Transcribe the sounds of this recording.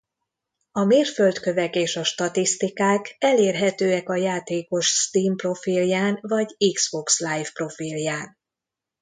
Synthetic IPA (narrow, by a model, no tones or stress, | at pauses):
ɒmeːrfø̞lt̪kø̞vɛkeːʃɒʃt̪ɒt̪ist̪ikaːkɛleːrɦɛt̪øːɛkɒjaːt̪eːko̞ʃst̪iːmpro̞filjaːnvɒɟikz̥bo̞kslajfpro̞filjaːn